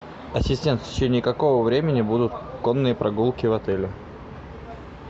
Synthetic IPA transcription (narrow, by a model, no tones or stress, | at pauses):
ɐsʲɪsʲtʲe̞nt̪fʲtʲɪ̥t͡ɕenʲɪjəkɐko̞vəvɾʲemʲɪnʲɪbud̪ʊt̪konːɨjəpɾʔɐɡulˠkʲɪvɐt̪ɛlʲɪ